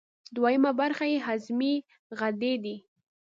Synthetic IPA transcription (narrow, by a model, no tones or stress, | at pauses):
d̪wajəmabaɾxajeɦazmi | ɣad̪ed̪i